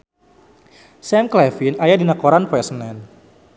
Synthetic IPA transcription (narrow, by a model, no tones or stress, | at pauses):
sɛmklɛfinajadinakoɾanpɛsənɛn